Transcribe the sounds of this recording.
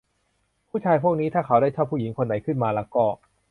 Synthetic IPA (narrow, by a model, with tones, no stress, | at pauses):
pʰuː˥˩t͡ɕʰaː˧jpʰu˥˩k̚niː˦˥t̪ʰaː˥˩kʰa˦wdaː˥˩jt͡ɕʰaː˥˩pʰuː˥˩ji˩˦ŋkʰo˧nːa˩˦jkʰɯ˥˩nmaː˧la˦˥kɔː˥˩